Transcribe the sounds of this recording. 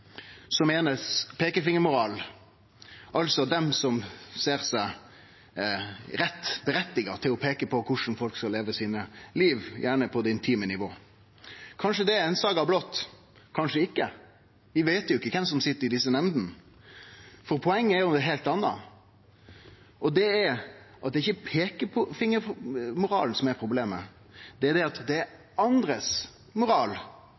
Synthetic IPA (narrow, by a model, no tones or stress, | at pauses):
sɔmeːnəspʰeːkəfɪŋːəmʊɾɑːl | ʔɑlsɔd̪ɛmsɔmseːɾsæɪ | ɾɛt̪ːbəɾɛt̪ːɪɡɑt̪ʰɪlɔpʰeːkəpʰɔkʰʊʂn̩fɔlkskɑleːʋəsiːnəliːʋjʔæːɳəpʰɔd̪ɛɪnt̪ʰiːmənɪʋoː | kʰɑnʂəd̪ɛɛɪnsɑːɡɑblɔt̪ː | kʰɑnʂəɪkːə | ʋɪʋeɪt̪jʊɪkːəkʰɛmsɔmsɪt̪ːəɾɪd̪ɪsːənɛmd̪n | fɔɾpʰɔɛŋːəæjʊmd̪ɛɦeɪlt̪ɑnːɑ̰ | ʔɔd̪ɛɛɾʔɑt̪̚d̪ɛɪçːəpʰeːkəpʰɔfɪŋːəɾmʊɾɑ̰ːln̩sɔmɛɾpʰɾʊbleːmə̰ | d̪̥ɛæd̪ɛɑt̪d̪ɛæɾ | ɑnd̪ɾəs | mʊɾɑːl